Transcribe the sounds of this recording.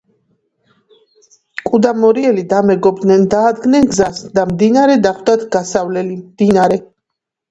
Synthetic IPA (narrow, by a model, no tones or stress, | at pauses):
kʼud̪amɔɾiɛlid̪amɛɡɔbd̪nɛnd̪aːd̪ɡnɛnɡzasd̪amd̪inaɾɛd̪aχwd̪at̪ʰɡ̥asavlɛlimd̪̥inaɾɛ